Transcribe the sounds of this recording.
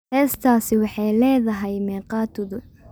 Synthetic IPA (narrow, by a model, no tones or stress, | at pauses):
hɛːst̪ʰaːsɪwɑħɑjlɛːðɐɦɛjmɛːqɑːt̪ʰʊðʊ